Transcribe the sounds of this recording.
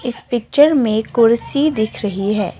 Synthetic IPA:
ɪspɪk̚t͡ʃəɾmẽkʊɾsid̪ɪkʰɾɐɦiɦɛ̰ː

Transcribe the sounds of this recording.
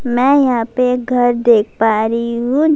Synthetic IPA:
mɛ̃ːjɐɦãpeɡʱɐɾd̪eːk̚ʰpaːɾiɦũ

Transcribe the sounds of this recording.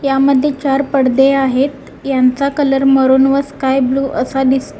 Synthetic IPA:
jaməd̪ʱːjet͡ɕaɾpəɽd̪eaɦet̪ | jant͡sakələɾməɾuːnʋəskajbluːʔəsad̪ist̪

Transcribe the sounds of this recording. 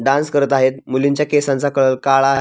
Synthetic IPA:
ɖãnskəɾət̪aɦet̪̚muliɲt͡ɕjakesãnt͡sakəɭəlkaɭaɦ

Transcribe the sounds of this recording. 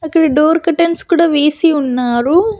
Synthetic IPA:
ɐkːɐɭiɖoːɾkɐʈːenskuːɽaʋeːsiunːaːɾu

